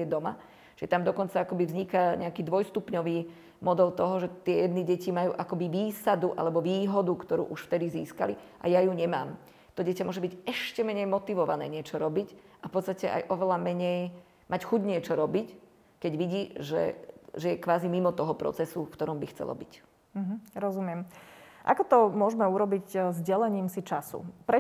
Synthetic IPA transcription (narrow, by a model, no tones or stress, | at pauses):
ɛd̪ɔma | ʒ̥ɛt̪amd̪ɔkɔnt͡saakɔbivzɲikaɲɛakiːd̪ʋɔjst̪upɲɔʋiː | mɔd̪ɛlt̪ɔɦɔʒɛt̪ɪɛjɛd̪niːɟɛcimajṵːʔakɔbiʋiːsad̪uʔa̰lɛbɔʋiːɦɔd̪ukt̪ɔɾṵːʔuʃft̪ɛd̪izḭːskaliʔa̰jajuɲɛma̰ːm | t̪ɔɟɛcamʊɔʒɛbiɟɛʃcɛmɛɲɛjmɔt̪iʋɔʋanɛ̰ːɲɪɛt͡ʃɔɾɔbicʔafpɔt̪t͡sst̪acɛʔa̰jʔɔʋɛlamɛɲɛj | mʔacxuɟɲɪɛt͡ʃɔɾɔbic | kɛɟʋiɟiːʒɛ̰ʒɛjɛkʋaːzimimɔt̪ɔɦɔpɾɔ̰t͡sɛsufkt̪ɔɾɔmbixt͡sɛ̰lɔ̰bḭc | m̩ɦ̩ɾɔzumɪɛmʔa̰kɔt̪ɔmʊɔʒmɛuɾɔbiczɟɛlɛɲiːmsit͡ʃasṵpɾɛ